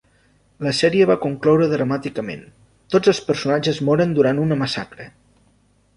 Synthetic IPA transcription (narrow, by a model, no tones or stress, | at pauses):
ləsɛɾiəβ̞akuŋklɔwɾəðɾəmat̪ikəmḛn | t̪od͡zəlˠspəɾsunad͡ʒəzmɔɾənd̪uɾanunəməsa̰kɾə